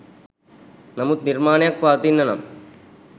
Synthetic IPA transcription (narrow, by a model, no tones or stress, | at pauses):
nɐmut̪niɾmaːnjak̚paːt̪inːɐnɐ̰m